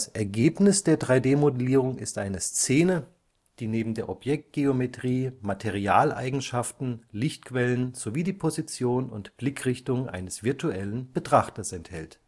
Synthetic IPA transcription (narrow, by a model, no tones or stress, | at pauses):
sʔɛɐɡeːpnɪsd̥eːɐdʁaɪdeːmodəliːʁ̞ʊŋɪ̰stʔaɪnəst͡seːnə | d̥iːneːbm̩deːɐʔɔpjɛk̚t̚ɡ̥eometʁ̥iːmatʰeʁ̞iaːlʔa̰ɪɡŋ̩ʃaftn̩lɪçtkv̥ɛlənz̥oviːdiːpʰozit͡sjoːnʊ̰ntb̥lɪkʁ̥ɪçtʊŋʔa̰ɪnəsv̥ɪɐtʰuʔɛlənb̥ətʁ̥aχtɐsɛnthɛlt